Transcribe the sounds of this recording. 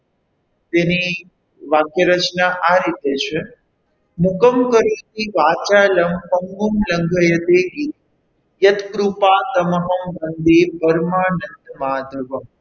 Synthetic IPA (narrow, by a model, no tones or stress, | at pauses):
t̪eni | ʋaːkjəɾət͡ʃnaʔaɾit̪et͡ʃʰe | mukəmkəɾut̪iʋaːt͡ʃaːləmpɐŋɡumləŋɡʱəjət̪eɡi | jɐt̪kɾupaːt̪ɐməɦəmbənd̪epəɾmaːnɐnt̪maːd̪ʱɐʋəm